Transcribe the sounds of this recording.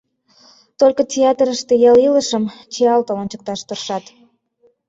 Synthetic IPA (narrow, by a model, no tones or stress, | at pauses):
t̪olʲkə̆tʲeɑt̪ɾəʃt̪ejɑliləʃəmt͡ɕeɑlt̪əlɑnt͡ɕək̚t̪ɑʃt̪orʃɑt̪